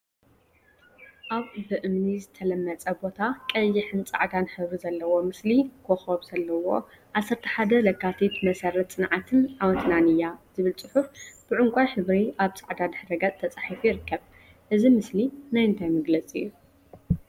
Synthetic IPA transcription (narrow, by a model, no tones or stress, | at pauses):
ʔaβbɨʔɨmnizɨt̪ʰɐlɐmːɐt͡sʼɐbo̞t̪ʰakʼɐjːɪħɨnt͡sʼa̰ʕd̪anħɨβɾizɐlːɐwo̞mɨslikʰoxoβz̥ɐlːɐwo̞ | ʔasːɐɾt̪ʰɨħad̪ɐlɐkːat̪ʰit̪mɐsɐɾɐt̪t͡sʼɨnʕat̪ʰɨnʕawɐt̪nanɨjːaz̥ɨβɨlt͡sʼɨħufb̥ɨʕʊŋkʷʼajħɨβɾiʔaβt͡sʼaʕd̪ad̪ɨħɾɐɡat͡sʼt̪ʰːɐt͡sʼaħifujiɾɨkʰːɐβ | ʔɨzimɨslinajɨnt̪ʰajmɐɡlɐt͡sʼɨ̰jːu